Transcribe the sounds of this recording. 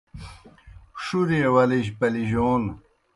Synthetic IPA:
ʂuɾiewɐliʑpɐliʑoːn

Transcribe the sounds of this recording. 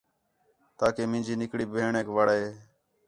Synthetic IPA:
t̪aːkeːmɪ̃ːd͡ʒiːnɪkɽiːbʱeːɳeːkʋəɽaːeː

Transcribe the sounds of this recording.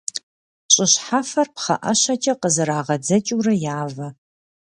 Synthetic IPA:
ɕʼɪɕħafɐrpχɐ̰ʔɐɕɐt͡ʃʼɐqəzɨɾaːʁɐd͡zɐt͡ʃʼuːɾɐjaːvɐ

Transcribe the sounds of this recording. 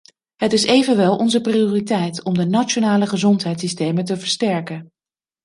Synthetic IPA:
ɦətɪsejvənʋɛlˠʔɔnzəprioːritɛjtɔmdənat͡ʃonaːləχəzɔntɦɛjtsistejməntəvəɹstɛɹkən

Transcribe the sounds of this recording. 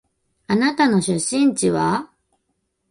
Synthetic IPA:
anat̪ano̞ɕɨɕːĩɲt͡ɕiβa

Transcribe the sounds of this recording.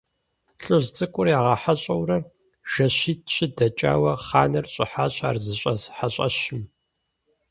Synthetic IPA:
ɬʼoʑt͡sʼɨkʷʼʊrjaːʁɐħaɕʼɐwrɐ | ʒ̥ɐɕiːt̚ʰɕʼɪdɐt͡ʃʼa̰ːwɐχaːnɐrɕʼɪħaːɕʼa̰ːrzɨɕʼɐzħaɕʼɐ̰ɕɪm

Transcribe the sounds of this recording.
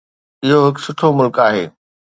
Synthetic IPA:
ɪɦoɦɪksʊʈʰomʊlkaːɦeː

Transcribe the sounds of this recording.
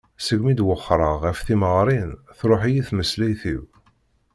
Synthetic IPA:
səɡmid̪wəχːɾˤəʁæfθiməʁɾˤinθɾˤoħijiθməslæjθiw

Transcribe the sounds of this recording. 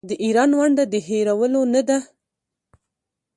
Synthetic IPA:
d̪əʔiɾɑnwaɳɖad̪əɦeɾawəlonad̪a

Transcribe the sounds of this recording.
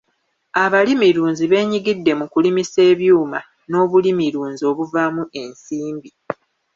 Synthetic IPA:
aβalimiɾuːɲziβe̞ːɲiɡidːe̞mukulimise̞ːβjuːma | no̞ːβulimiɾuːɲzio̞ːβuvamuʔe̞nsiːmbi

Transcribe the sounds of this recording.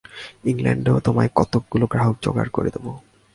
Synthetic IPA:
iŋla̰ɳɖeot̪omaekɔt̪ok̚ɡuloɡɾaɦok̚d͡ʑɔ̰ɡa̰ɾko̰ɾed̪ebo

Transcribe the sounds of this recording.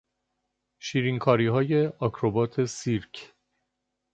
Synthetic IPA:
ʃiːɾiŋkʰɒːɾiːɦɒːje̞ɒkʰɾobɒːt̪ʰe̞siɾkʰ

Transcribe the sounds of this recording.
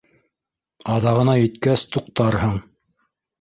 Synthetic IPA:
ɑðɑʁɤ̆nɑjɘ̆t̪kæst̪uq̚t̪ɑɾhɤɴ

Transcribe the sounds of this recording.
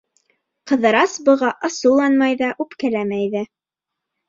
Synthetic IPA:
qɤ̆ðɤ̆ɾɑsbɤ̆ʁɑʔɤ̆sɤwlˠɑnmɑjðɑʔʉpkælæmæjðæ

